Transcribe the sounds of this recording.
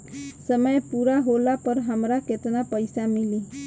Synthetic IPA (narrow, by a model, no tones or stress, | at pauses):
səməjpuɾaɦolapəɾɦəmɾaket̪napəɪsamili